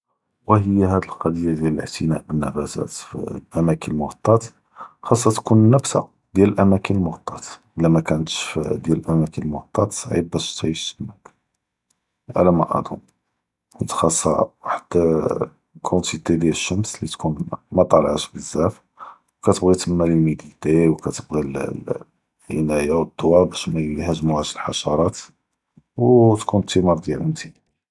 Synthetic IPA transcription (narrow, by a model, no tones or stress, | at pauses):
wæɦəjːɦæd̪əlqɑd̪əjːad̪jæləlʕt̪ənæ̰ʔənːæfæt̪æ̰t̪fʔæmækʰənəlmoɣɑt̪ˤːɑt̪ | xɑsˤːɑt̪kunnəfsa̰ | d̪jæləlʔæmækənəlmoɣɑt̪ˤːɑt̪ʔəlːæmækænət̪ʃfd̪jæləlʔæmækənəlmʊɣt̪ˤːɑt̪sˤʕib̚ːæʃt̪ʕiʃmæk | ʕa̰læmɑʔɑ̰d̪ʊm | ʔət̪xɑsˤːɑ̰waħd̪̥ | kʰunt̪it̪ed̪jæləʃːəmslit̪kunmæt̪ˤɑlʕəʃbəzːæf | wkæt̪əbɣit̪əmːæləlmid̪id̪ewkæt̪əbɣil | ʔənæjawəd̪ːowæbæʃmæjlihæʒmuʕæʃəlħɑʃɑɾˤɑt̪ | wt̪kunt̪imɑɾˤd̪jælənt̪ʰi